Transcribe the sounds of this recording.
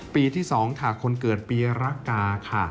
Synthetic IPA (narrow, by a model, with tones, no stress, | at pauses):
piː˧t̪ʰiː˥˩sɔː˩˦ŋt̪ʰaː˨˩kʰo˧nkɤː˨˩t̪̚piː˧ɾa˦˥kːaː˧kʰa˥˩